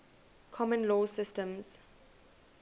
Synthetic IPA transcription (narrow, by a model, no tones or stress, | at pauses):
kʰɔmə̃nlɔːsɪstə̃mz̥